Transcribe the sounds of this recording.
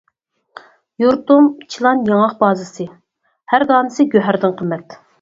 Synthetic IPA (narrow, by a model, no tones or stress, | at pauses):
juɾt̪umt͡ʃʰilˠɑnjɑŋɑqbɑːzɨsɨ | hæɾd̪ɑːnɨsɨɡʲøɦæɾd̪ɪnqʰəmːɛt̪